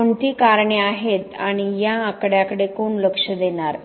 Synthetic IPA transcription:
ɳt̪iːkaɾɳeaɦet̪aɽ̃ijaəkɽjakəɽekoːɳləkʂəd̪enaɾ

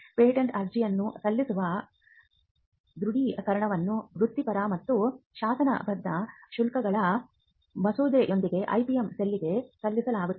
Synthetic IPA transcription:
peːiʈɐɳʈɐɾd͡ʒijɐnːusɐlːisuʋɐ | d̪ɾuɽikɐɾɐɳɐʋɐnːubɾut̪ːipɐɾɐmɐt̪ːuʃaːsɐnɐ̰bɐd̪ːɐʃulkɐɡɐɭɐ | mɐsuːd̪eʔo̞nd̪iɡe̞ʔɐ̰jpijemselːiɡe̞sɐlːisɐlaːɡut̪ː

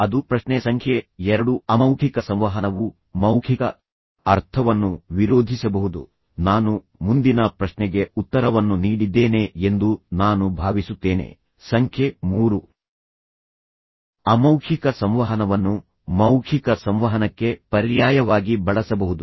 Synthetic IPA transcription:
ɐd̪upɾɐʃnesɐŋkʰjeɛɾɐɽuɐmɐwkʰikɐsɐmʋɐɦɐnɐʋu | mɐwkʰikɐ | ɐɾt̪ʰɐʋɐnːuʋiɾoːd̪ʱisɐbɐɦud̪ṵ | naːnu | mund̪inɐpɾɐʃnɛɡe̞ut̪ːɐɾɐʋɐnːuniːɽid̪ːeːne̞end̪unaːnubʱaːʋisut̪ːe̞ːnḛ | sɐŋkʰje̞muːɾu | ɐmɐwkʰikɐsɐmʋɐɦɐnɐʋɐnːu | mɐwkʰikɐsɐmʋɐɦɐnɐkːe̞pɐɾjaːjɐʋaːɡibɐɭɐsɐbɐɦud̪u

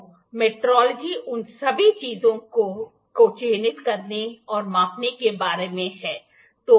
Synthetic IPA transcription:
meːʈɾɔːləd͡ʒiʊnsɐbʱit͡ʃiːzõ | kot͡ʃeːnɪt̪kɐɾneɔːɾmãːpnekebaːɾemẽɦɛː | t̪oː

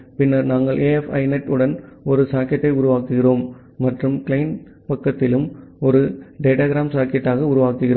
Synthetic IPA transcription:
pɪnːɐɾnaːŋɡɐɭʔeːɛfɐ̰ɪnɐʈːɯɽɐnɔɾɯsaːkɐʈːɐɪʊɾʊʋaːkɯɣɪroːmː | ɐʈrɯmkɪlɐɪn | pɐkːɐt̪ːɪlɯmɔɾɯɖeːʈaːɣɾaːmsaːkɛʈːaːɣɐʊɾʊʋaːkːɯɣɪroː

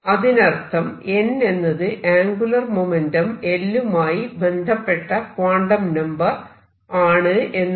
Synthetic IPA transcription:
ɐðinɐrt̪ʰːɐme̞nːe̞nːɐðɨʔaːŋɡulɐrmomendɐme̞lːumaːjibe̞nd̪ʱɐpːe̞ʈːɐkwaːɳɖɐmnɐmbɐ | aːɳɨʔe̞nː

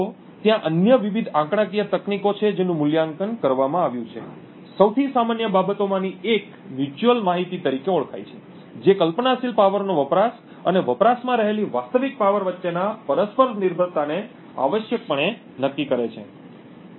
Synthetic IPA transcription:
o | t̪jãʔənjəʋiʋid̪ʱãkɽ̃ãkijət̪əknikot͡ʃʰed͡ʒenũmʊljaŋkənkəɾʋamãaʋjũt͡ʃʰḛ | səwt̪ʰisamanjəbabət̪omãniek | mjut͡ʃuəlmaɦit̪it̪əɾikeɔɭkʰa̰jt͡ʃʰe | d͡ʒekəlpnasilpaʋəɾnoʋəpɾas | əneʋəpɾasmãɾəɦeliʋast̪əʋik̚paʋəɾʋətːʃenapəɾəspəɾniɾbʱəɾt̪ane | a̰ʋəʃjək̚pəɳe | nəkːikəɾet͡ʃʰḛ

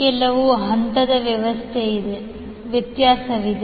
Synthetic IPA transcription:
kɛlːɐʋuɦɐnt̪ɐd̪ɐʋjɐʋɐst̪ʰeid̪e | ʋjɐt̪jaːsɐʋid̪

